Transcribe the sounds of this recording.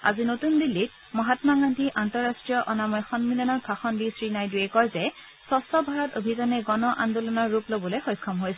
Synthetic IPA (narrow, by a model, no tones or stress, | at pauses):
a̰zinotundilːit̚ | mɔɦatmaɡantiʔantɔɹːastɹijɔʔɔnamɔjxɔnmilɔnɔt̚bʱaxɔndisɹinajduɛkɔɹzɛ | sɔsɔbʱaɹatobʱizanɛɡɔnɔʔa̰ndulɔnɔɹːuplobɔlojxɔjkʰːɔmɦojsɛ